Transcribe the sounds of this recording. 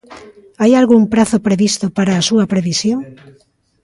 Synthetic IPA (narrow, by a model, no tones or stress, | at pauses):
ajalɣuŋpɾaθopɾeβist̪ʊpaɾaːsuɐpɾeβisjoŋ